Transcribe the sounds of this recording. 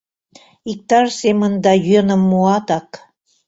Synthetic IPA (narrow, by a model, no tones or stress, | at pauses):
ik̚t̪ɑrsemənd̪ɑjønəmːuɑt̪ɑk